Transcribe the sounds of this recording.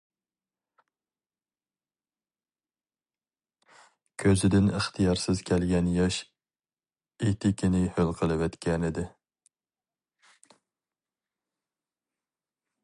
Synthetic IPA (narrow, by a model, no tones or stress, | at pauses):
kʲʰøzɪd̪ɪnəχt̪ʰɨjɑɾsɪz̥kʲʰɛlɡʲɛnjɑʃ | et̪ɪkʲʰinɪhølˠqʰəlˠɨwɛt̪kʲʰɛnɪd̪ɪ